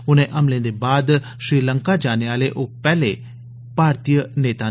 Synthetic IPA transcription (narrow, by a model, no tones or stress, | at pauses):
ʊnẽːʔəmlẽːd̪eːbaːd̪ | ʃɾiːləŋkaːd͡ʒaːneːaːleːʔoːpɛːleː | paːɾt̪ijəneːt̪aː